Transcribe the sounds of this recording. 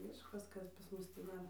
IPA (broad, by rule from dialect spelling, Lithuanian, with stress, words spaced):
ˈmʲɪʃkɐs ˈkɐs pɐs ˈmʊs tʲiː ˈdɐr